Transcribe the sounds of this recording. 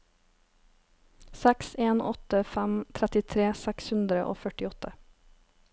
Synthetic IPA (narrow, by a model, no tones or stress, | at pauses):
sækseːnʔɔ̰t̪əfæmt̪ʰɾæt̪ɪt̪ʰɾeːsækshʉnd̪ɾəʔo̰ːfœʈɪɔt̪ʰə